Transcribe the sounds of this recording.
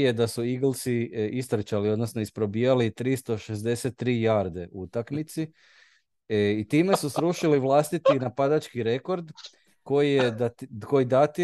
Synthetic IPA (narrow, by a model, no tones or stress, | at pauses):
je̞d̪asuiɡlˠt̪siist̪ɾet͡ɕalio̞d̪no̞snoispɾo̞biːjalit̪ɾist̪o̞ʃezd̪e̞set̪ːɾijaɾd̪e̞ʔuut̪akmit̪si | it̪iːme̞susɾuʃiliʋlˠaːst̪it̪inapad̪at͡ʃkiɾe̞ko̞ɾd̪ | ko̞jijeko̞jid̪at̪i